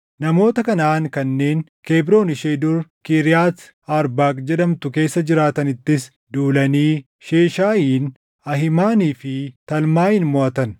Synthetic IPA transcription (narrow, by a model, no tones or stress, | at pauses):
nɐmo̞ːt̪ɐkɐnaːŋkɐnːe̞ːnke̞ːbɾo̞ːnɪʃeːd̪ʊɾkɪɾɪjaːs | aːɾbaːkd͡ʒɛɗɐmt̪ʊke̞ːsːɐd͡ʒɪɾaːt̪ɐnɪt̪ːɪs | d̪uːlɐniː | ʃe̞ːʃaːjiːn | ɐɦɪmaːniːfɪt̪ɐlmaːhɪnmɔʔɐt̪ɐn